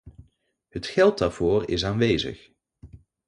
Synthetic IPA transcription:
ɦətxɛlˠt̚daːɹv̥oːrɪ̰s̬aːnʋejzə̰x

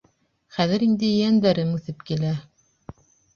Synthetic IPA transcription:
χæðɘ̆ɾind̪ɘjænd̪æɾɘŋʉθɘpkilæ

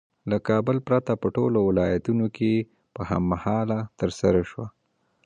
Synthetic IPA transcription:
lakɑbəlpɾat̪apəʈolowɪlɑjat̪unokʰe | pəha̰mːahɑlat̪əɾsaɾaʃwa

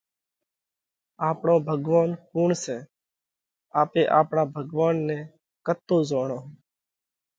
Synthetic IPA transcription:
aːpɳõːbʱəɡʋaːnkuːɳseː | aːpeːʔaːpɳaːbʱəɡʋaːnːẽː | kət̪ːoːzoːɳoː

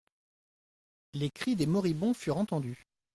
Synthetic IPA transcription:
lekχid̪emɔʁibɔ̃fyʁɑ̃t̪ɑ̃d̪y

